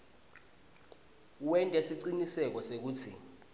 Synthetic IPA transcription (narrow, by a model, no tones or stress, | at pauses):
wɛntʼɛsiǀinisɛk̬ɔsek̬uːtʰḭ